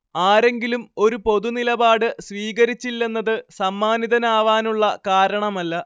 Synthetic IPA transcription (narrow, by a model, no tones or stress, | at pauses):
aːɾe̞ŋɡilumo̞ɾupo̞ðunilɐbaːɽɨsʋiːɣɐɾit͡ɕːilːe̞nːɐðɨsɐmːaːniðɐnaːʋaːnuɭːɐkaːɾɐɳɐmɐlːɐ